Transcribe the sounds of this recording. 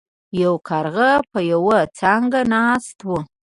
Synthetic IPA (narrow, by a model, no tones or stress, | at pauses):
jawkʰɑɾɣapəjawat͡sɑŋɡanɑst̪wu